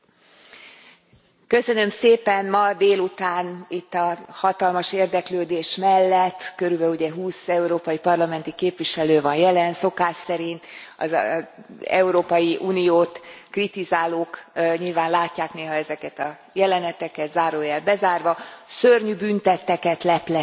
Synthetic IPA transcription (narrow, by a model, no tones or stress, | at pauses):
kø̞sø̞nø̞mseːpɛnmɒd̪eːlut̪aːnit̪ːɒhɒt̪ɒlmɒʃeːrd̪ɛkløːd̪eːʃmɛlːɛt̪ːkøɾybɛluɟɛɦuːsɛuɾoːpɒjipɒrlɒmɛn̪t̪ikeːpʋiʃɛløːvɒnjɛlɛnso̞kaːʃsɛɾint̪ɒ̰z | ɛ̰uɾoːpɒjiʔuːnijoːt̪krit̪izaːloːkɲilvaːnlaːcːaːkneːɦɒɛzɛkɛt̪ɒ | jɛlɛnɛt̪ɛkɛt̪zaːɾoːjɛːlbɛzaːrvɒsørɲybynt̪ɛt̪ːɛkɛt̪lɛplɛ